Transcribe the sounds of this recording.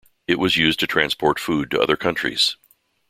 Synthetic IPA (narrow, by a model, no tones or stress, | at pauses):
ɨʔ̚wʌzjʉz̚tʰɨtʰɹ̥æ̃nspʰɔɹtfud̚tʰɨ̰ʔʌ̰ðə˞kʰʌ̃nt͡ʃɹ̥ḭz̥